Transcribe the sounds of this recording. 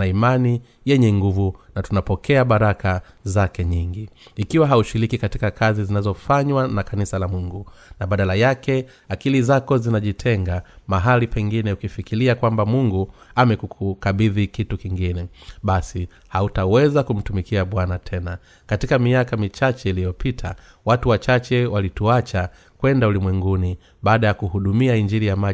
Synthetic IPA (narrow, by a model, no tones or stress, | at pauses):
naimani | jɛɲɛŋɡuvunatunapɔkɛaɓaɾakazakɛɲiŋɡiːkiwaɦauʃiɾikikatikakʰazizinazɔfaɲwanakanisalamuŋɡunaɓaɗalajakɛ | akilizakɔzinaʄitʰɛŋɡamaɦalipɛŋɡinɛukifikiliakwambamuŋɡuamɛkukukaɓiðikitukiŋɡinɛɓasi | hautawɛzakum̩tumikiaɓwanatʰɛna | katikamiakamit͡ʃat͡ʃɛilijɔpitʰa | watuwat͡ʃat͡ʃɛwalituat͡ʃa | kwɛndaulimwɛŋɡuni | ɓaːɗajakuhuɗumiaiɲd͡ʒiɾijama